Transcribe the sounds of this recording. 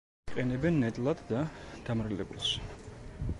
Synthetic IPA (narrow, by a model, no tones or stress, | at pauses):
qʼɛnɛbɛnːɛt̪ʼlˠad̪d̪ad̪̥amɾɛlɛ̰bṵlˠʃ